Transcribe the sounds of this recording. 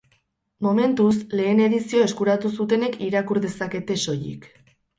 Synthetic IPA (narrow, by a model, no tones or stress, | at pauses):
mo̞me̞nt̪usle̞ːne̞ðisio̞e̞skuɾat̪usut̪e̞ne̞kʰiɾakuɾðe̞sake̞t̪e̞so̞jḭk